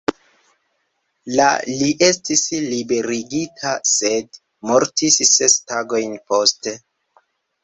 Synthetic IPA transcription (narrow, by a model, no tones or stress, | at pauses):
la̰liʔe̞stislibe̞ɾiɡitʰase̞d | mo̞ɾtisːe̞staɡo̞jnpo̞ste̞